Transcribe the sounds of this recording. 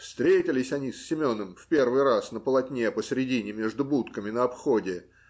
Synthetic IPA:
fst̪ɾʲetʲɪlʲɪsʲɐnʲisːʲɪmʲo̞nəmfpʲe̞rvɨjɾasnəpəlˠɐtʲnʲepəsʲɾʲɪdʲinʲɪmʲeʐd̪ʊbut̪kəmʲɪnəɐpxo̞dʲɪ

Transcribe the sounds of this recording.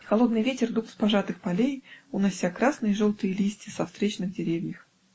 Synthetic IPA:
xɐlˠo̞d̪nɨjvʲetʲɪrd̪uxspɐʐat̪ɨxpɐlʲejunɐsʲːakɾasnɨjəʐolˠt̪ɨjəlʲisʲtʲɪsɐfst̪ɾʲet͡ɕnɨɣdʲɪɾʲevʲjʲəx

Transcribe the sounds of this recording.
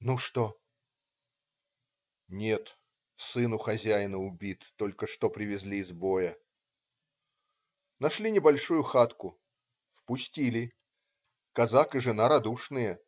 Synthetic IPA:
nuʂt̪o | nʲe̞t̪ | sɨnʊxɐzʲæjɪnəʊbʲit̪ːo̞lʲkəʂt̪o̞pɾʲɪvʲɪzʲlʲiːzbo̞jə | nɐʂlʲinʲɪbɐlʲʂujʊxat̪kʊ | fpʊsʲtʲilʲɪ | kɐzakɨʐɨnaɾɐd̪uʂnɨjə

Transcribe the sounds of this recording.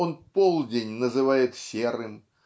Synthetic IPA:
onpolˠdʲenʲnəzɨvajɪt̪sʲerɨm

